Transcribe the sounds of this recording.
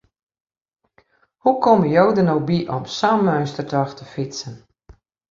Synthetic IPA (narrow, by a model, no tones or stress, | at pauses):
hukʰɔməjowdənowbiʔɔmsaːmmœɥstərtɔxtəfitsən